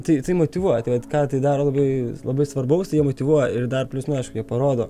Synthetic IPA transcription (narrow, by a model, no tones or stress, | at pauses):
t̪ɐɪt̪ɐɪmoːt̪ʲiʋuɔjɛt̪ɐɪʋɐt̪kɑːt̪ɐɪd̪ɑːɾoːlˠɐbɐɪlˠɐbɐɪsʋɐrbɐʊst̪ɐɪjiɛmoːt̪ʲiʋuɔjɛɪrd̪ɐrpʲlʲʊsnʊɐɪʃkʊjiɛpɐɾoːd̪oː